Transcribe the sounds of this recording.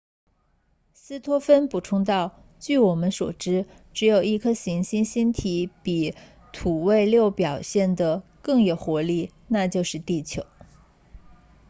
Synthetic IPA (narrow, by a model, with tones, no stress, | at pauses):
sɹ̩˥t̪ʰwɔ˥fə˥npu˨˩ʈ͡ʂʰʊ˥ŋt̪̬ɑ˥˧ʊ | t͡ɕy˥˩wɔ˨˩mə˦nswɔ̰˨˩ʈ͡ʂɻ̩˥ | ʈ͡ʂɻ̩˧˥jo˨˩ʊi˥˩kʰɤ˥ɕi˧˥ŋɕi˥nɕi˥nt̪ʰi˧˥pi˨˩ | t̪ʰu˨˩we˥˧ɪljo˥˩ʊpjɑ˨˩ʊɕjɛ˥˩nd̪ə˩kɤ˥˩ŋjo˨˩ʊxwɔ˧˥li˥˩ | na˥˧t͡ɕjo˥˧ʊʂɻ̩˥˧t̪i˥˩t͡ɕʰjo˧˥ʊ